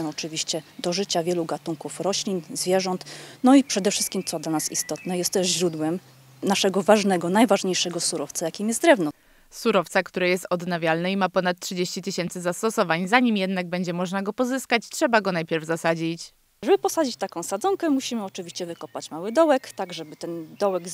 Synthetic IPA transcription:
ɛɔt͡ʂɘvʲiɕt͡ɕɛd̪ɔʐɘt͡ɕavʲjɛluɡat̪uŋkufɾɔɕlʲinzvʲjɛʐɔnt̪nɔipʂɛd̪ɛfʂɘst̪kʲimt̪sɔd̪lanasist̪ɔt̪nɛjɛst̪ːɛʐʑɾud̪wɛm | naʂɛɡɔvaʐnɛɡɔnajvaʐɲejʂɛɡɔsuɾɔft̪sajakʲimjɛst̪d̪ɾɛvnɔ | suɾɔft̪sakt̪uɾɛjɛst̪ɔd̪navʲjalnɛimapɔnat̪tːʂɘd͡ʑeɕt͡ɕit̪ɘɕɛnt̪sɘzast̪ɔsɔvaɲzaɲimjɛd̪naɡ̚bɛɲd͡ʑɛmɔʐnaɡɔpɔzɘskat͡ɕtʂɛbaɡɔnajpʲjɛɾvzasad͡ʑit͡ɕ | ʐɛbɘpɔsad͡ʑit͡ɕt̪akɔ̃w̃sad̪zɔŋkɛmuɕimɘɔt͡ʂɘvʲiɕt͡ɕɛvɘkɔpat͡ɕmawɘd̪ɔwɛkt̪aɡʐɛbɘt̪ɛnd̪ɔwɛɡ

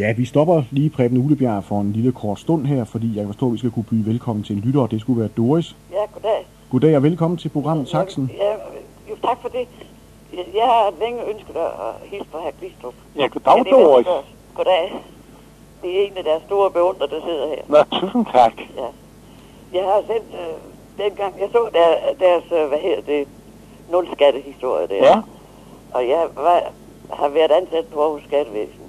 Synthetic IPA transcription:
jæʋisd̥ɒ̽b̥ɐliːpʰʁɛːb̥ənəuːləb̥jæɐ̰fɒ̽e̝nliləkʰɒːd̥sd̥ɔ̽n̰ɦæɐ̰fɒ̽d̥ḭːjɑkæfɒsdɔ̰ːʋisɡ̥ækʰub̥yːʋelkʰɒ̽m̰n̩t͡sʰe̝enlyɾ̥ɐd̥e̝sɡ̥uʋæːɐd̥o̝ɐis | jæɡ̥od̥ɛ | ɡ̥o̝d̥ɛ̰ːɒʋelkʰɒ̽m̰n̩t͡sʰe̝lpʰʁo̝ɡ̥ʁɑ̈m̰ð̩ˠsʰɑ̈ɡ̥sn̩jæ | jot͡sʰɑ̈ɡ̥fɒd̥e̝ | jɑ̈ɪhɑ̈leŋəønsɡ̥əð̩ˠæhisb̥ʰɒhæɐkʰʁisd̥ɔb̥jæɡ̥od̥ɑ̈ʊdoi | ɡ̥od̥ɛ | d̥ee̝næd̥æɐsːd̥o̝ːɐb̥e̝ɔ̽n̰d̥ʁɐd̥ɑ̈se̝ð̞̰ˠɐhæɐ̰nt͡sʰusn̩kʰæɡ̥jæ | jɑ̈ɪhɑ̈sen̰d̥ø | d̥enɡ̥ɑ̈ŋ̰jɑ̈ɪsɔ̰ːd̥æɐd̥æɐsʋæɦe̝ð̰ˠɐd̥e̝ | nɔ̽lsɡ̥æɾ̥əhisd̥o̝ɐ̰jəd̥æɐ | ʔɒ̽jɑ̈ɪʋɑ | hɑ̈ʋæɐdˠænsæd̥əpʰɒ̽ɒʊosːɡ̥æɾ̥əʋḛːsn̩

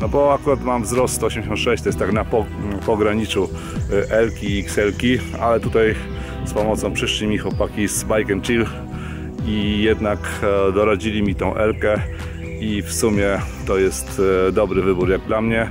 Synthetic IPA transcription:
nɔbɔakuɾat̪mamvzɾɔst̪ɔɕɛmʲd͡ʑeɕ̬ɔ̃nt̪ʂɛɕt͡ɕt̪ɔjɛst̪ːaknapɔpɔɡɾaɲit͡ʂu | ʔɛlkʲiːksɛlkʲi | a̰lɛt̪ut̪aj | spɔmɔt̪sɔ̃w̃pʂɘʂlʲimʲixwɔpakʲizbajkʲɛmt͡ʂil | ijɛd̪nakd̪ɔɾad͡ʑilʲimʲit̪ɔ̃w̃ʔɛlkɛ | ifsumʲjɛt̪ɔjɛst̪d̪ɔbɾɘvɘbuɾjaɡd̪lamɲɛ

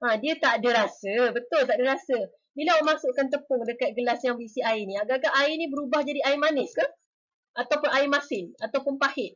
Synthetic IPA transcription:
adiət̪aʔdəɾasəbət̪ʊlt̪aʔdəɾasə | bilamãsʊʔkant̪̬əpʊŋdəkat̪̚ɡəlasjaŋbisiaɪnĩaɡaʔkaʔaɪnĩbəɾubahd͡ʒadiaɪmanɪskəh | ʔat̪awpʊnʔaɪmasɪnat̪awpʊnpahɪʔ̚

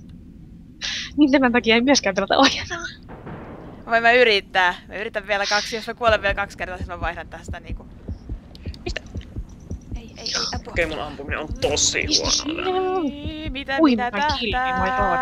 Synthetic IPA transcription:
niːnt̪æmænt̪ɑkijɑeimyøskæːt̪elæt̪ɑ̰ʔojɑnɑː | ʋɑimmæyɾit̪ːæːmæ̰yrit̪æʋʋielækɑksjosmækuoleʋielkɑkskert̪ɑːsinːoʋʋɑihnɑnt̪æst̪æniːŋku | mist̪ | e | eokeimunʔɑmpuminḛont̪osˑḭhisun̰ | it̪uimɑkiliɑi

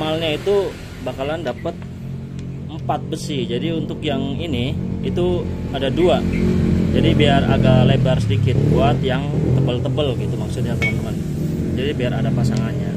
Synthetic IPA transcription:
malɲait̪u | bakalandapət̪̚ | əmpat̪̚bəsɪd͡ʒadiunt̪ʊkjaŋiniit̪uadadua | d͡ʒadibiara̰ɡalebarsədikɪt̪̚kuat̪jaŋt̪əbəlt̪əbəlɡit̪umaksʊt̪̚ɲant̪əmnt̪əmən | d͡ʒadibiaɾadapasaŋanɲa̰

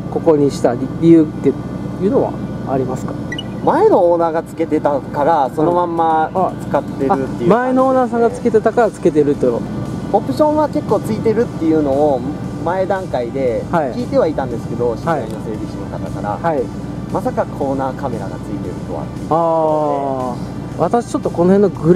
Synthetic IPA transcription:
ko̞ko̞ɲ̟iɕi̥t̪aiɾʲiɯ̟ːt̪ːejɯ̟ːno̞βa̰ | a̰ɾʲimasɨ̥kḁ | mae̞no̞oːnaːɡat͡sɨ̥ke̞t̪e̞t̪akaɾaso̞no̞mãmːat͡sɨ̥kat̪ːe̞ɾɯ̟t̪ːemaenooːnaːsãŋɡaɨ̥ke̞t̪e̞t̪akaɾat͡sɨ̥ke̞t̪̬e̞ɾɯ̟t̪ːoopɯ̟ɕõ̞ɰ̃βake̞kːoːt͡sɨit̪e̞ɾɯ̟t̪ːe̞jɯ̟no̞ːmae̞d̪ãŋkaid̪e̞haikʲiːt̪e̞βait̪ãnd̪e̞sɨ̥ke̞d̪o̞ɕiaiainose̞ːbʲiɕinot̪at̪akaɾa̰hai | masakakʰo̞ːnaːkʰame̞ɾa̰ɡa̰t͡sɨit̪e̞ɾɯ̟t̪o̞̰βa̰ | aː | βat̪aɕi̥t͡ɕo̞t̪ːo̞ko̞nohenːoɡɯ̟ɾ

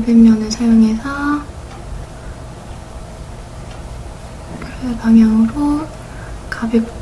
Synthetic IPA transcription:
bemɲʌnɯsʰajoŋe̞sʰʌ | kɯɾepaŋɦjaŋɯɾo | kabek

